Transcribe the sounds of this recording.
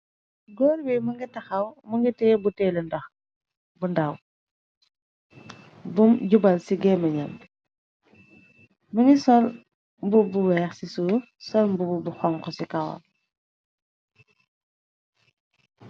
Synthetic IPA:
ɡɔːɾwɛmɐŋɡitɐxɐwmɐŋɡitɛːbutɛːlɛndɐx | bundɐw | bumɟubɐlsiɡɛːmɐɲɐm | mɐŋɡisɔl | mbubuwɛːxsisuː | sɔlmbububuxɔŋkɔsikɐwɐ̰l

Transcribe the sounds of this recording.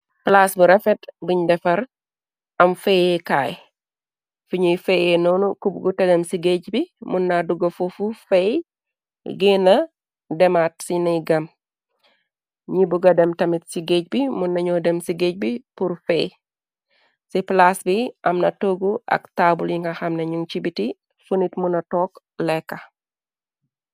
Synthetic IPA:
plasbiɾɐfɛtbiɲdɛfɐɾ | ɐmfɛjɛkaːj | fuɲujfɛjɛnɔnukubɡutɐɡɐmsiɡecbimunːaduɡɐfufufɛj | ɡenɐ | dɛmat̚sinɐjɡɐm | ɲibuɡɐdɛmtɐmitsiɡec̚bimunːɐɲɔdɛmsiɡec̚bipuɾfɛj | siplasbiʔɐmnɐtoɡuʔɐ̰ktaːbuljiŋɡɐxɐmneɲuŋt͡ʃibiti | fənitmunɐtɔːk | lɛkːɐ

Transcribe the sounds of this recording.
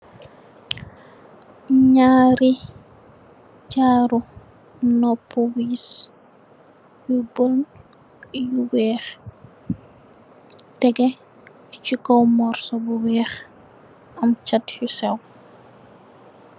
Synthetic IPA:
ɲaːɾi | t͡ʃaːɾu | nɔpːuwiːs | jubəln | juwɛːx | tɛɡɛ | t͡ʃikɔwmɔrsɔbuwɛːx | ʔɐmt͡ʃatjusɛw

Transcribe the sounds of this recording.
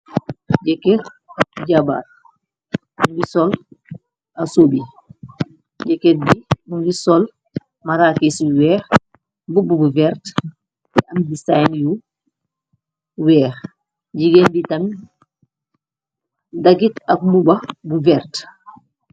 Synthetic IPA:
ɟɛkeɾ̚ɟaba̰ːt̚ | muŋɡisɔl | ɐsobi | ɟɛket̚bimuŋɡisɔl | maɾaːkiswɛːx | bububuvɛɾt | ɐmdisajnju | wɛːx | ɟiɡenbitɐn | dɐɡitɐk̚mubɐbuvɛɾt

